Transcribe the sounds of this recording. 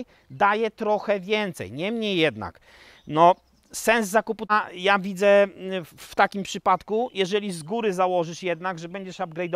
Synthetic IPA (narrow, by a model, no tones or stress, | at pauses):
j | d̪ajɛt̪ɾɔxɛvʲjɛnt̪sɛ̰jɲɛmɲejːɛd̪na̰k | nɔ | sɛnzːakupujavʲid̪zɛ | ft̪akʲimpʂɘpat̪kujɛʐɛlʲizɡuɾɘzawɔʐɘʂjɛd̪naɡʐɛbɛɲd͡ʑɛʂab̚ɡɾɛjd̪ɔ